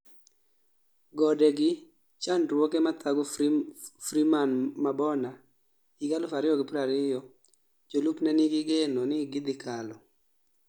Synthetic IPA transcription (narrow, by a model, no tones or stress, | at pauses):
ɡɔdɛɡɪ | t͡ʃandɾwɔkɛmat̪ʰaɡɔ | fɾimanmabɔna | iɡalʊfaɾɪjɔɡɪpɾaɾɪjɔ | d͡ʒolupnɛnɪɡɪɡenonɪɡɪd̪ɪkʰalɔ